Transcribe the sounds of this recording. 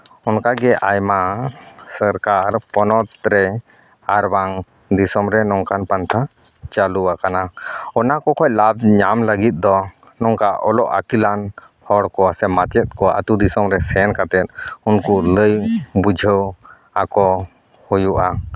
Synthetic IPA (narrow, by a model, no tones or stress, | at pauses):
ɔnkaɡɛʔajmasəɾkaɾpɔnɔt̪̚ɾɛ | aɾbaŋ | d̪isɔmɾɛnɔŋkanpant̪ʰa | t͡ʃaluakanaɔnakɔkʰɔjlab̚ɲamləɡit̪̚d̪ɔ | nɔŋkaʔɔlɔʔa̰kilan | hɔɽkɔasɛmat͡ʃɛt̪̚kɔaʔət̪ud̪isɔmɾɛsɛnkat̪ɛt̪̚unkuləjbud͡ʒʱəw | akɔ | hujuʔa